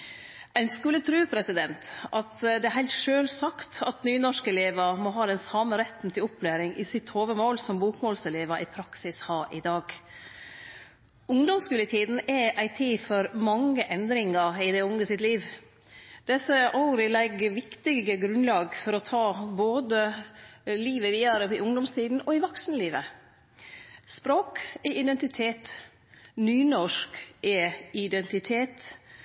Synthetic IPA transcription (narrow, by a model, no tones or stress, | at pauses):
æɪnskʉlːət̪ʰɾʉːpʰɾɛsɪd̪ɛnt̪ɑt̪d̪ɛæɾɦæɪlt̪ʂøːlsɑkt̪ɑt̪nyːnɔʂkɛleːʋɑmɔɦɑːd̪ɛnsɑːməɾɛt̪n̩t̪ʰɪlɔpːlæːɾɪŋʔɪsɪt̪hoːʋəmoːlsɔmbuːkmoːlsɛleːʋɑʔɪpʰɾɑksɪshɑːɾʔɪd̪ɑːɡ | ʊŋd̪ɔmskʉlət̪ʰiːd̪n̩ɛʔæɪt̪ʰiːfɔɾmɑŋːəʔɛnd̪ɾɪŋəɪd̪ɛʊŋəsɪt̪liːʋ | d̪̥ɛsəʔɑʊɾɪlɛɡʋɪkt̪ɪɡəɡɾʉnlɑːɡfɔɾɔt̪ʰɑːboːd̪ə | liːʋəʋiːɑɾəpɪʊŋd̪ɔmst̪ʰiːd̪n̩ɔɪʋɔksnəliːʋə | spɾoːkɛʔɪd̪ɛnt̪ɪt̪ʰeːt̪ | nyːnɔʂkʔɛɪd̪ɛnt̪ɪt̪ʰeːt̪